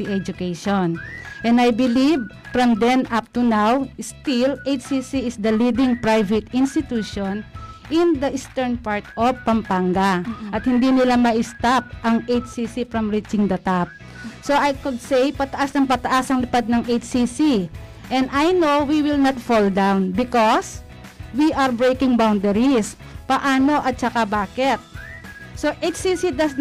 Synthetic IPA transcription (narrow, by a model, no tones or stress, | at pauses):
iʔɛd͡ʒʊkejʃonʔɛ̃nd̪ajbɪliv | fɹɐmd̪ɛnʔap̚t̪unawst̪ɪlʔejt͡ʃsisiɪsd̪ɐlid̪ɪ̃ŋpɹajvɛt̪ɪ̃nst̪ɪt̪uʃonʔɪ̃nd̪ɐʔɪst̪ɛɹnpaɹt̪ʔovpɐmpaŋɡaʔɐt̪̚hɪnd̪inɪlamɐʔɪst̪ap̚ʔɐŋʔejt͡ʃsisifɹɐmɹit͡ʃɪ̃ŋd̪ɐt̪ap̚ | so̞ʔajkʊd̪̚sejpɐt̪ɐʔasnɐŋpɐt̪ɐʔasɐŋlɪpad̪̚nɐŋʔejt͡ʃsisi | ʔɛnd̪ajnowwiwɪlnɐt̪fold̪awnbɪkos | wiʔɐɹbɹejkɪŋbawnd̪ɛɾis | pɐʔaːno̞ʔɐt̪̚t͡ʃɐkabaːkɛt̪̚ | soʔet͡ʃsisid̪ɐs